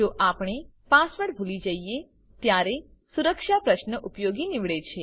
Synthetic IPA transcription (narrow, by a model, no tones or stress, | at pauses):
d͡ʒoʔapɳ̃e | pasʋəɽbʱulid͡ʒəie | t̪jaɾe | suɾəkʃapɾəʃnəʔupjoɡiniʋɭet͡ʃʰe